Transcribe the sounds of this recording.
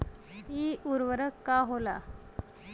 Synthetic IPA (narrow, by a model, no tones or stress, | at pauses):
iuɾʋəɾəkːaɦola